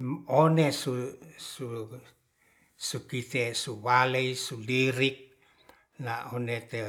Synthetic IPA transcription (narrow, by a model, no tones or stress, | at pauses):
onesusu | sukit̪esuwaleisuliɾik̚ | naonet̪e